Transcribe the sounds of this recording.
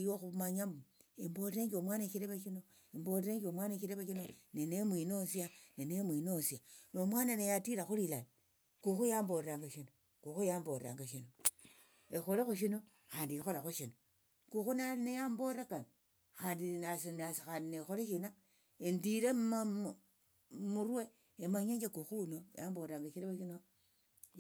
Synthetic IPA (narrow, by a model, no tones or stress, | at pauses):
joxumaɲamuemboɾeɾeŋɡʲomwaneʃiɾeβaʃino | emboɾeɾekomwaneʃiɾeβaʃinonenemwinosianenemwinosianomwananejatiɾaxuɾilal | kuxujamboɾɾaŋɡaʃino | kuxujamboɾɾa̰ŋɡaʃino | exoɾexuʃ̬ino | xaːndiixolaxuʃino | kuxunanejamboɾakan | xaːndinasnasxaːndinexoɾeʃina | endiɾema | muɾwe | emaɲeɲd͡ʒekuxunojamboɾɾaŋɡaʃiɾaβaʃino